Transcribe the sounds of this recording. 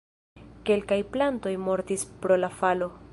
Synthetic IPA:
ke̞lkajplanto̞jmo̞ɾtispɾo̞lafalo̞

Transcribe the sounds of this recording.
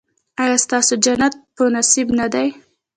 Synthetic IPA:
ɑjɑst̪ɑsod͡ʒanat̪̚pənasibnad̪aj

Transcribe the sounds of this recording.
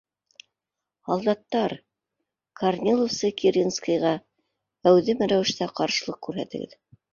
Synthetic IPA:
hɑlˠd̪ɑt̪ːɑɾ | kʰarnʲilˠofsɤkʲiɾʲinskɤ̆jʁɑ | æwðɘmæɾæwɘ̆ʃt̪æqɑɾʃɤ̆lˠɤq̚kʉɾɦæ̰t̪ɘ̰̆ɡɘ̰ð

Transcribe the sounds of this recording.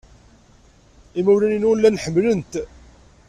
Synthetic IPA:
imæwɾæninwlːænħəmːlənt̪

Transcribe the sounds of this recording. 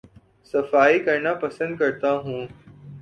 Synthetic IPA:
sɐfaːiːkɐɾnãːpɐsə̃nd̪̚kɐɾt̪ãːɦũː

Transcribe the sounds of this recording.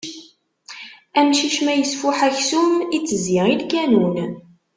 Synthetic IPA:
æmʃiʃmæjəsfuħæçsumit͡sːəzɪilkænun

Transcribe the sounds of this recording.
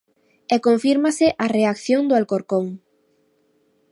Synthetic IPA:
ekõɱfiɾmaseʔareakθjõnd̪oalkoɾkoŋ

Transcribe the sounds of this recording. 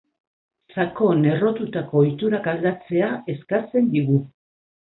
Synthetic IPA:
sako̞ne̞ro̞t̪ut̪ako̞ːjt̪uɾakald̪at͡se̞ae̞skat͡se̞nd̪iɣ̞u

